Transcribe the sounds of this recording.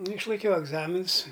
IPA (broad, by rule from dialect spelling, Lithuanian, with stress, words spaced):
nʊ ɪʃlˠɐɪˈkʲɛʊ ɛɡˈzɑːmʲɪnʊs